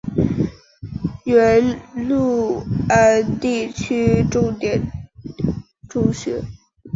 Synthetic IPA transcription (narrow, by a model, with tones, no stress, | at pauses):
ɛ˧˥lu˥˩ə˧˥t̪i˥˩t͡ɕʰy˥ʈ͡ʂo˥˧ŋt̪jɛ˨˩n | ʈ͡ʂu˥˩ŋɕɥɛ˧˥